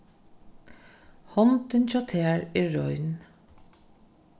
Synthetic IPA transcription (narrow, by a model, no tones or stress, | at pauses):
hɔnt̪ənt͡ʃɔːt̪ʰeːɹeːɹɔʏn